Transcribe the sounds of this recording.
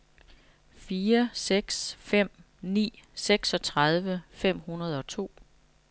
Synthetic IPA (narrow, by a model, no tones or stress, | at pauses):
fiːɐseɡ̥sfem̰ | nḭːseɡ̥sɒ̽t͡sʰʁað̞ˠʋəfem̰hunɐð̞ˠɒ̽t͡sʰo̝̰ː